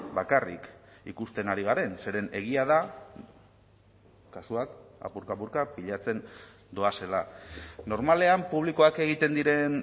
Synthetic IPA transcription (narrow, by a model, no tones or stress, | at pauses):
bakarḭkḭkust̪e̞naɾiɣ̞aɾe̞nse̞ɾe̞ne̞ɣ̞iaða | kːasuaka̰puɾkapuɾkapiʎat͡se̞n | d̪oase̞lano̞ɾmale̞ampuβliko̞ake̞ɣ̞it̪e̞nd̪iɾe̞n